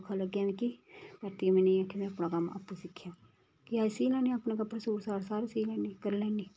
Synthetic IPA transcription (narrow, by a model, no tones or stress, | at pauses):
kʰaːləɡːjãːnikipəɾt̪iamɛ̃ːnẽːaːkimɛ̃ːapnaːkəma̰ːpːusɪkʰːjaː | kɪaːsiːlɛ̃ːniːapnãːkəpasuːɾsaːɾsaːɾesiːlɛːniːkəɾlɛ̃ːniː